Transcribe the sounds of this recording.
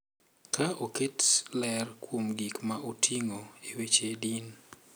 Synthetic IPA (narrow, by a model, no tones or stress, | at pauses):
kaoketlɛrkwomɡikmaʔotʰiŋoewet͡ʃedin